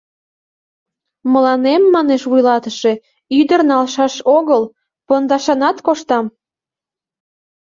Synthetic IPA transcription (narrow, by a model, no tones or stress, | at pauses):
məlɑnemːɑneʃvujlɑt̪əʃe̽ | yd̪ərnɑlʃɑʃoɣəl | pɤnd̪ɑʃɑnɑt̪koʃt̪ɑm